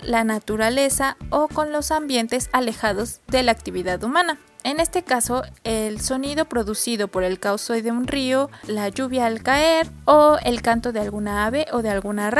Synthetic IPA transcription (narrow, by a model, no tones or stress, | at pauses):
lanat̪uɾale̞saoko̞nlo̞sambjent̪e̞sale̞xaðo̞zðelaːk̚t̪iβiðaðumãna | e̞nest̪e̞kaso̞elso̞niðo̞pɾo̞ðusiðo̞po̞ɾe̞lkawsojðeunriolaʝuβjaːlkaeɾoelkant̪o̞ðealɣunaaβe̞ʔoðe̞alɣunar